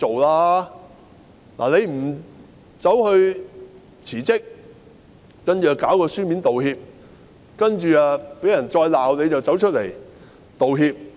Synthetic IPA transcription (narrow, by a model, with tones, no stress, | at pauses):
o˨wlaː˥ | la̰ː˨˩ne˨˧jm̩˨˩ | t͡sɐ˨˥whɵ˧ɥ | t͡sʰiː˨˩t͡sɪ˥k̚ | kɐ˥nt͡ʃyː˨˩a˨˧kaː˨˥wkɔː˧syː˥miː˨˥nt̪o˨whiː˧p̚ | kɐ˥nt͡ʃyː˨aː˨˧pe˨˥jɐ˨˩nt͡ʃɔː˧jlaː˨wne˨˧jt͡sɐ˨wt͡sɐ˨˥wt͡ʃʰɵ˥t̚le˨˩j | t̪o˨wɦiː˧p̚